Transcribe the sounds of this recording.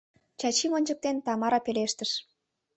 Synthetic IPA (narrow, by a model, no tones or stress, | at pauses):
t͡ɕɑt͡ɕimonʲd͡ʑə̆k̚t̪ent̪ɑmɑɾɑpeleʃt̪ə̆ʃ